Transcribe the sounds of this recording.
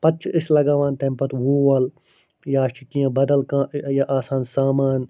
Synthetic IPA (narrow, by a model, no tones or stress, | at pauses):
pɐt͡ʃʰɪslɐɡaːʋaːnt̪ẽmpɐt̪wuːʋaːl | jaːʃɪkijãːbɐd̪əlkãːjaʔaːsaːnsaːmaːn